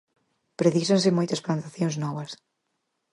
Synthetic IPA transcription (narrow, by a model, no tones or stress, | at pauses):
pɾeðisɐ̃ns̬ɪmojt̪ɐsplant̪aθjõŋznɔβɐs